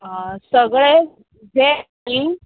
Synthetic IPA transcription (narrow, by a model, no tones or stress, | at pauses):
ãsəɡɭe | d͡zʱe | i